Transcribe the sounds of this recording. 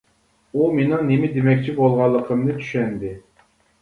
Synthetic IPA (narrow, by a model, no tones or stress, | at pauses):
umenɪŋnemɪd̪emɛkʲt͡ʃʰibolˠʁɑlˠːəqʰəmnɨt͡ʃ̪ʰy̥ʃɛnd̪ɪ